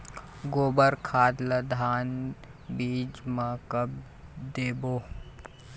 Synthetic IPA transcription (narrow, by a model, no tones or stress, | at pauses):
ɡoːbəɾkʰaːd̪ləd̪ʱaːn | biːd͡ʒmakəb̚ | d̪eːboː